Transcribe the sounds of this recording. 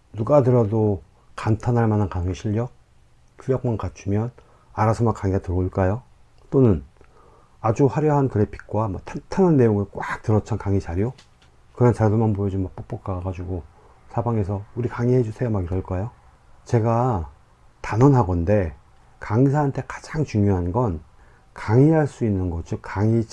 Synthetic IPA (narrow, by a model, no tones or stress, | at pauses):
nuɡadɯɾado | kantʰanaɭmanankaŋiɕʰiʎːʌk̚ | kʰuʎjʌk̚mankat͡ɕʰumjʌn | aɾasʰʌmakaŋiɡatɯɾuɭk͈ajo | t͈onɯn | ad͡ʑuɸwaɾjʌɦankɯɾe̞pʰi̥t̚k͈wamatʰantʰananːe̞joŋɯɭk͈wʔak̚tɯɾʌt͡ɕʰankaŋit͡ɕaɾijo | kɯɾʌnt͡ɕaɭdumanbojʌd͡ʑumak̚p͈ok̚p͈ok͈aɡaɡad͡ʑuɡo | sʰabaŋe̞sʰʌuɾikaŋiɦhed͡ʑusʰejomaɡiɾʌɭk͈ajo | t͡ɕe̞ɡa | tanʌnɦaɡʌnde̞ | kaŋis̬ʰaɦantʰe̞kḁd͡ʑaŋt͡ɕuŋjoɦanɡʌn | kaŋiɦaɭs͈uinːɯnɡʌd͡ʑʰokaŋi